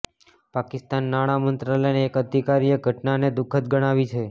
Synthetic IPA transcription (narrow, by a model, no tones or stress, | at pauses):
pakɪst̪anːaɽ̃amənt̪ɾaləjneːkəd̪ʱikaɾijəɡʱəʈnaned̪ʊkʰət̪̚ɡəɽ̃aʋit͡ʃʰe